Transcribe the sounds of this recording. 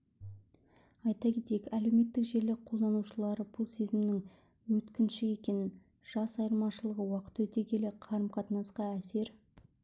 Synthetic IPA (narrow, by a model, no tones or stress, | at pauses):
ɑjt̪ɑkʲe̞t̪ejekæle̞wme̞t̪ːɪkʒe̞ɾlɪqʰo̞lˠd̪ɑnuʃəlˠɑɾəbʊlˠse̞zɪmnɪŋ | wɵt̪kʲɪnʃɪe̞kʲe̞nɪn | ʒ̥ɑsɑjəɾˠmɑʃəlˠəʁəwɑqə̥t̪wɵt̪e̞kʲʰe̞leqʰɑɾəmqʰɑt̪ənɑsqɑæse̞ɾ